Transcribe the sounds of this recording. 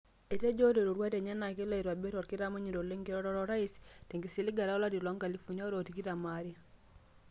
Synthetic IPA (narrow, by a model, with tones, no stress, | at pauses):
e˨te˦d͡ʒo˦te˨ɾo˨ɾwa˦te˨ɲa˦na˨ke˦la˦i˨ɾwa˨be˦tɔ˨ɾki˦ɾa˦ma˦ɲi˨ɾo˨le˦ŋɡi˦ɾɔ˦ɾɔ˦ɾɔ˦ɾa˦iste˨ŋɡi˨si˦li˦ɡa˨ɾa˦la˦ti˨la˦ŋɡa˨li˦fu˨ɲɔ˦ɾo˨ti˨ki˦ɾa˨maɾja